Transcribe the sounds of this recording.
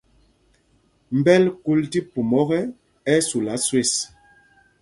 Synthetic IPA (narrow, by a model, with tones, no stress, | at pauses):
m̩˨bɛ˦lku˦lti˦pu˨mɔ˦ɣɛ˦ | ɛ˦su˨la˨˦swe˦˨s